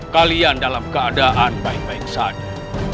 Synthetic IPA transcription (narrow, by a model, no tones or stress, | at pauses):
kaliandalamkəadaʔanbaik̚baiksadu